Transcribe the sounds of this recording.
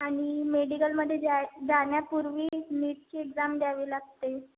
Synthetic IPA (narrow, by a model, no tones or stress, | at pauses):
aɽ̃imeɖikəlməd̪ʱːjeaɡʱanjapuɾʋiːniːʈ̚t͡ɕiːeɡd͡zamɖjaʋiːlaɡ̚t̪e